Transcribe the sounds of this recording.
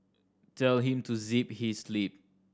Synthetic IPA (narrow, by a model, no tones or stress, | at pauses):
tʰɛlɦĩmtʰuziphisːlip̚